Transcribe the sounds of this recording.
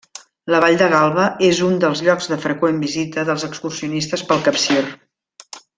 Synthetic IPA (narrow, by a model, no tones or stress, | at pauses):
ləβaʎd̪əɣalˠβəezund̪əlˠzʎɔɡzðəfɾəkwembizit̪əðəlˠzəkskursiunist̪əspəlˠkəpsir